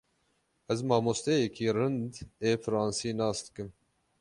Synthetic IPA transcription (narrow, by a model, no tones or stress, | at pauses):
ɛzmɑːmoːst̪ɛjɛkʰiːrɨnd̪eːfɨɾɑːnsiːnɑːsd̪ɨ̥kɨm